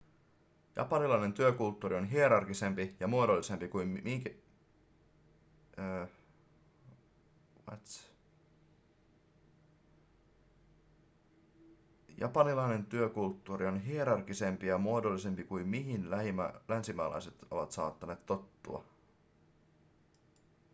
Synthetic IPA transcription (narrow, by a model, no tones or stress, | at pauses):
jɑ̰pɑnilɑine̞nt̪yøkult̪ːuːɾionɦieɾɑrkise̞mpijɑmuodolːise̞mpikujmmiikæ | wɑ̰t̪s | jɑ̰pɑnilɑine̞nt̪yøkult̪ːuːrio̞nɦieɾɑrkise̞mpijɑmuodolːise̞mpikuimmiɦinlæhimælænsimæ̰ːlʔɑ̰jset̪o̞ʋɑt̪sɑ̰ːt̪ːɑne̞ːt̪t̪ːo̞t̪ːṵɑ̰